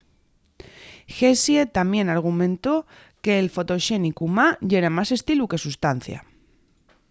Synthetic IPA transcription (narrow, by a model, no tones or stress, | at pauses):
xesjet̪amje̞naɾɣ̞umẽ̞nt̪o̞ | ke̞ːlfo̞t̪o̞ʃe̞nikumaʝeɾamase̞st̪iluke̞sust̪an̟θja̰